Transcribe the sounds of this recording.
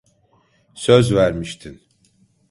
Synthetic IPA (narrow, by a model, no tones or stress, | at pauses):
søzvæɾmiʃt̪ʰin